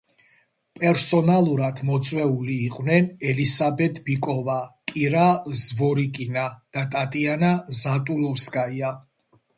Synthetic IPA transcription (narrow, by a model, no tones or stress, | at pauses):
pʼɛɾsɔnalˠuɾad̪̥mɔt̪sʼwɛuliːqʼwnɛnɛlisabɛt̪ʰbikʼɔvakʼiɾazvɔɾikʼinad̪̥at̪ʼat̪ʼianazat̪ʼulɔfskʼaia